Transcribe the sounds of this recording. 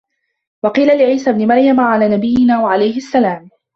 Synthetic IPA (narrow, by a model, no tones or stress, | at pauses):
wɑqiːlalɪʕiːsabnɪmaɾjamʕalaːnabɪjːɪnaːwaʕalajhɪasːalaːm